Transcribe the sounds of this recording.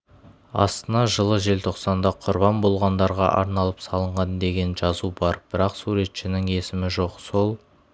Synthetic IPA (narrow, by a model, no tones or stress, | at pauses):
ɑ̰st̪ənɑʒəlˠəʒe̞lt̪ʰo̞qsɑnd̪ɑqʰʊɾbɑnbo̞lˠʁɑnd̪ɑɾʁɑ̰ʔɑ̰ɾnɑlˠəpsɑlˠəɴʁɑnd̪e̞ɡʲe̞nʒɑzubɑɾb̥ɪɾɑqsuɾe̞t̪ʃɪnɪŋe̞sɪmɪʒo̞qso̞lˠ